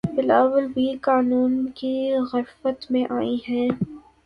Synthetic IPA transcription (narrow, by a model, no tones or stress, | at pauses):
bɪlaːwəlbʱikaːnuːnkiɣɐɾfət̪mẽʔaːiɦɛ̃ː